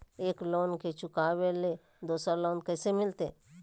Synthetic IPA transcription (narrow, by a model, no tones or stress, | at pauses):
eːkloːnket͡ʃʊkaːʋele | d̪oːsaloːnkɛːsemɪlt̪e